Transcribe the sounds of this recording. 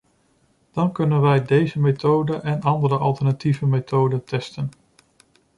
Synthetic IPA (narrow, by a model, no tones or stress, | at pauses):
d̥ɑnkɵnənʋɛjdejzəmetʰowdəʔɛnɑndəɾəʔɑlˠtəɹnativəmetʰowdəntɛstən